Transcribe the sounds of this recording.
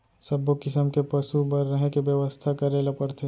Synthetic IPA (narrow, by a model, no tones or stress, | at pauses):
sɐbokɪsəmkepɐʃubɐɾːəɦẽkeʋjəʋəst̪ʰakɐɾelapɐɾt̪ʰe